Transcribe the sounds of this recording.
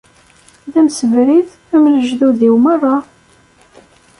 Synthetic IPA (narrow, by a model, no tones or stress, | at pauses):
ðæmsəvɾiθ | æmləʒðuðiwmərˤɑ